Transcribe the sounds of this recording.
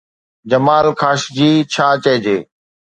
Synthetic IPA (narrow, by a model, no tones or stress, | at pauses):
d͡ʒəmaːlkʰaːʃd͡ʑiːt͡ɕʰaːt͡ʃeːd͡ʑeː